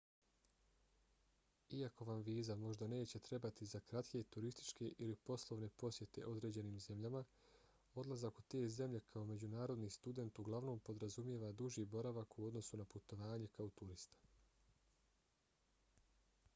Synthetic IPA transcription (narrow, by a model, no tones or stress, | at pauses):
iako̞ʋamʋiːzamo̞ʒd̪ane̞ːt͡ɕe̞t̪ɾe̞bat̪izakɾat̪ke̞t̪uɾist̪i̥t͡ʃke̞ʔilipo̞slˠo̞ʋne̞po̞sje̞t̪e̞̰ʔo̞d̪ɾe̞d͡ʑe̞niːmze̞mʎama | o̞d̪lˠazakut̪e̞ːze̞mʎe̞kʰao̞me̞d͡ʑunaːɾo̞d̪nist̪ud̪e̞nt̪uɡlˠaʋno̞ːmpo̞d̪ɾazumje̞ʋad̪uʒiːbo̞ɾaʋakuo̞d̪no̞sunaput̪o̞ʋaːɲe̞kaot̪uɾist̪ḁ